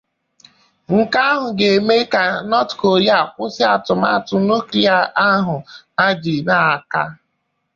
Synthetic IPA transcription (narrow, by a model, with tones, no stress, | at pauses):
ŋ̩˨ka˦ɦʊ˨ɡe˨me˦ka˨nɔ˦tko˨ɾi˦a˨kʷʊ˦sɪ˦a˨tʊ˨m˦a̰˦tʊ˨no˦ki˦a˨ʔa˦ɦʊ˨ | a˦d͡ʒi˨na˦˨a˨ka˦